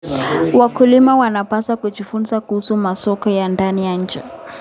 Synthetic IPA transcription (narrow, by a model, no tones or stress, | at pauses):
wakulimawanapasakud͡ʒifunzakuhusumasɔkɔjandanijaɲ̩d͡ʒɛ